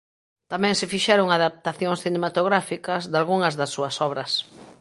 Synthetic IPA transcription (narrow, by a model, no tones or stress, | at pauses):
t̪amɛ̃ŋsɪfiʃɛɾoŋaðap̚t̪aθjoŋsθinemat̪oɣ̞ɾafikɐzd̪alɣuŋɐzðɐsːuɐsɔβɾɐs